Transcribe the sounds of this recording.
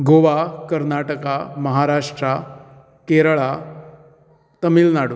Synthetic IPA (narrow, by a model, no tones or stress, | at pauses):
ɡoʋakəɾnaʈəkaməɦaɾaʂʈɾa | keɾɭa | t̪əmiːlnaɽu